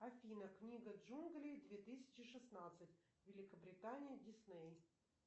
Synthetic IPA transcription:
ɐfʲinəknʲiɡəʐunɡlʲid̪vʲet̪ɨsʲɪ̥t͡ɕɪʂɨsnat̪sɨtʲ | vʲɪlʲɪkəbɾʲɪt̪anʲɪjədʲɪsnej

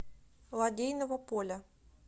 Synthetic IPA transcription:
lˠadʲejnəvəpolʲɐ

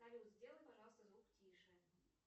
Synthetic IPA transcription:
alʲiut̪zʲdʲelˠənʲpɐʐɑlˠst̪əzvuktʲʰiʂə

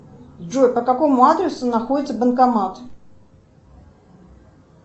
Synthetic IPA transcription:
ʐojpəkɐko̞mʊad̪ɾʲɪsʊnɐxodʲɪt̪səbənkɐmat̪

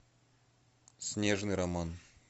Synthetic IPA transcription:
sʲnʲeʐnɨɾɐman

